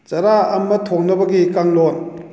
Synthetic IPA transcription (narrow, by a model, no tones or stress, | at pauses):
t͡ʃɐɾaɐmːɐt̪ʰɔŋ̚nɐbɐɡikaŋlɔn